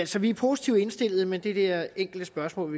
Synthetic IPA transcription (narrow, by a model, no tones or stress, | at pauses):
æl̰sɒʋiæɐpʰo̝si̥t͡sʰiʊ̰e̝nsd̥e̝l̰ð̩ˠəmend̥e̝d̥eɐeŋ̰ɡ̥l̩d̥əsb̥ɶɐsmɔ̰ːlʋi